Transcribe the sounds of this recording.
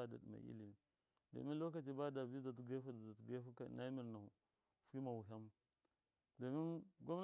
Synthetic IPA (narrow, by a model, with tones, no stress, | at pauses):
a˦da̰˨dma̰˨ʔḭ˦li˨ | da̰˨mi˦nlo˦ka˨t̬i˨ba˦da˨vi˦da˨tɡa˦fa˦da˨da˨tɡa˦fu˦ka̰˨na˦mi˨ɾna˨ | fi˦ma˨wu˨ɦa˦m | da˨mi˦nɡa˦mn˦